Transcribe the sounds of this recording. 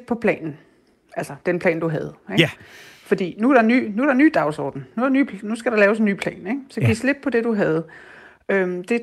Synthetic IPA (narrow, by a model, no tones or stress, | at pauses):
pʰɒ̽pʰlɛ̰ːnn̩ | ælsɐd̥enpʰlɛ̰ːnd̥uɦæð̞ˠeɡ̥fɒ̽d̥ḭːnuæɾ̥ɑ̈ny̰ːnuæɾɑ̈ny̰ːd̥ɑ̈ʊsɒ̰ːd̥n̩nuɾɑnyːnusɡ̥æɾ̥ɑlɛːʊseny̰ːpʰlɛ̰ːneɡ̥sɒ̽ɡisle̝d̥̚pʰɒ̽d̥e̝d̥uɦæð̞̩ˠ | ømd̥e̝